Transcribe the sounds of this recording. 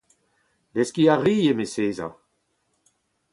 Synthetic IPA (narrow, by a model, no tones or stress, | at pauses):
leskiaʁiːemeseːza̰